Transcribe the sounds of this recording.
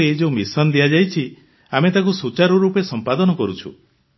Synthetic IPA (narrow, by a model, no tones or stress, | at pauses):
ed͡ʒomisɔnd̪iad͡ʒajt͡ʃʰi | amet̪akusut͡ʃaɾɔɾupesɔmpad̪ɔnɔkɔɾut͡ʃʰṵ